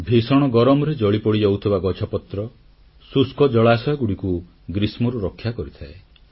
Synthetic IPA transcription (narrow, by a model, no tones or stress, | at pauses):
bʱisɔɽ̃ɔɡɔɾɔmɔɾed͡ʒɔɭipɔɽid͡ʒowt̪ʰibaɡɔt͡ʃʰɔpɔt̪ɾɔ | suskɔd͡ʒɔɭasɔjɔɡuɽiku | ɡɾismɔɾuɾɔkʰːjakɔɾit̪ʰae